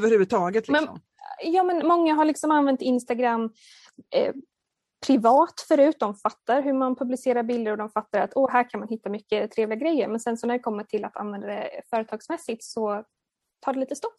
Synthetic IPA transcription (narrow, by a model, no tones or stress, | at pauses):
vəɾhʉ̟vɵd̪̚t̪ʰɑːɡət̪lɪmɛsɔ̰m | jɑːmɛnmɔŋːaɦaɭɪksɔmanvɛnt̪ɪnst̪aɡɾamː | pʰɾɪvɑːt̪fœɾʉ̟ːt̪̚d̪ɔmfat̪ːaɾɦɵɾmanpʰɵblɪseːɾaɾbɪld̪əɾɔd̪ɔmfat̪ːaɾat̪ɔɦæːɾkʰanmanhɪt̪ːamʏkːət̪ʰɾeːvlɪɡaɡɾɛjːəɾmɛnsɛnsɔnæɖɛkʰɔmːəʈʰɪlat̪ʰa̰nvɛnd̪ad̪ɛfœːɾət̪ʰɑːɡsmɛsːɪt̪sɔ | t̪ʰɑːɖɛliːt̪əst̪ɔf